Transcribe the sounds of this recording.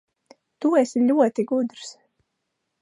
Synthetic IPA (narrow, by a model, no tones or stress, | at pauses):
t̪uesilʲuɔt̪iɡud̪ɾs